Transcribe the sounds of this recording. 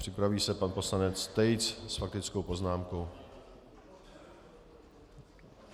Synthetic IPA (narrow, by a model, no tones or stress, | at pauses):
r̝̥ɪpɾaviːsɛpanpo̞slanɛt͡st̪ɛjt͡ssfak̚t̪ɪt͡skowpo̞znaːmkow